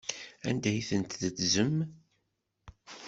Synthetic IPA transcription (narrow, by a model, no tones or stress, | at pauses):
æ̰nd̪æjθənt̪ðət͡szəm